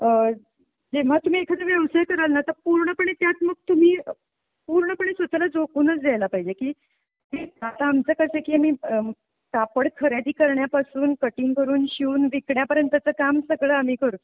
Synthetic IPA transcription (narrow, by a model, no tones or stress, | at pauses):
d͡zeʋ̤at̪um̤iːekʰəd̪əʋjəʋsajkəɾalnat̪əɾpuɾɳəpəɳet̪jat̪məɡ̚t̪um̤iː | puɾɳəpəɳesʋət̪alad͡zokuːnət͡sd͡zajlapaɦid͡ʑekiː | ɦeat̪aːmt͡səkəsekiːamiː | kapəɽkʰəɾjad̪iːkəɾɳjapasuːnkəʈiːŋkəɾuːnɕiuːnʋikɽjapəɾjənt̪ət͡səkamsəɡɭəam̤iːkəɾu